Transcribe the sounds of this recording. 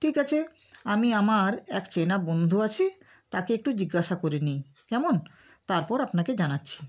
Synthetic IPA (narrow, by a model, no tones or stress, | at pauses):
ʈʰikat͡ɕʰe | amiamaɾɛkt͡ɕenabond̪ʱoat͡ɕʰe | t̪akeek̚ʈud͡ʑiɡːaʃakoɾenej | kɛmon | t̪aɾpɔɾapnaked͡ʑanatːɕʰi̥